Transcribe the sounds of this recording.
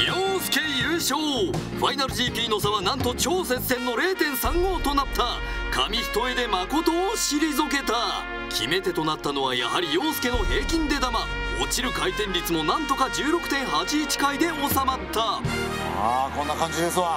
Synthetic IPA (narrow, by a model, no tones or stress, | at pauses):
joːsɨ̥ke̞jɯːɕoː | ɸainaɾɯ̟ʑiːpʲiːno̞s̬aβanãnt̪ot͡ɕo̞ːse̞t͡sɨ̥sẽ̞nːo̞ɾe̞ːt̪ẽ̞ɰ̃sãŋɡo̞ːt̪o̞nat̪ːakʰamʲiɸɯ̥t̪o̞e̞d̪e̞mako̞t̪o̞ːɕiɾʲizok̬e̞t̪a | kʲʰḭme̞t̪e̞t̪o̞nat̪ːano̞βaja̰haɾʲijo̞ːsɨ̥ke̞no̞he̞ːkʲĩnd̪e̞d̪ama | ot͡ɕiɾɯ̟kait̪ẽ̞nɾʲit͡sɨno̞nãnt̪o̞kad͡ʑɨːɾo̞kɯ̟̥t̪ẽ̞ɰ̃hat͡ɕiːt͡ɕi̥kaid̪e̞o̞samat̪ʰːa | akõ̞nːakãɲd͡ʑid̪e̞sɨβa